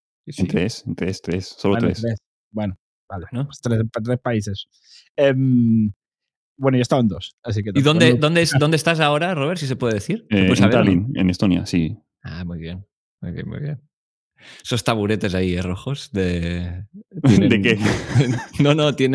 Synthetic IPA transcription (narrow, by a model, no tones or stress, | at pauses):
sisent̪ɾesent̪ɾest̪ɾessːolot̪ɾesɾes | bweno | balenot̪ɾest̪ɾespaises | em | bwenojaest̪aond̪osas̬iket̪iðond̪ed̪ond̪esd̪ond̪est̪asaoɾaroβ̞eɾs̬is̬epweðeðeθiɾseeesaβaenḛnest̪onja̰si | a̰mujβjen | mujβjḛnmṵjβjen | esost̪aβuɾet̪ezaieroxosðe | td̪eke | nonot̪jene